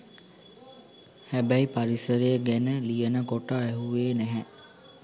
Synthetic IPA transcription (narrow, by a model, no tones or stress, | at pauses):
hæbæipaɾisəɾəjəɡænəlijənəkoʈaæɦuʋeːnæɦɛ